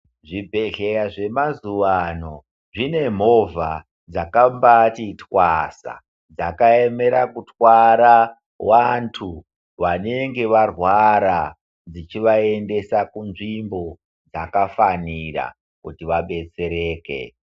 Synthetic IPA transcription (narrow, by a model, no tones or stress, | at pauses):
ʐibʱe̞ɮe̞jaʐe̞mazuʋano̞ | ʐine̞m̤o̞vʱa | d͡zakambatitwasa̰ | d͡zakaeme̞ɾakutwaɾa | wantʰu | ʋane̞ŋɡe̞ʋarwaɾa | d͡zit͡ʃiʋae̞nde̞sakunʐimbo̞ | d͡zakafanira̰ | kutiʋaɓe̞t͡se̞ɾe̞ːkḛ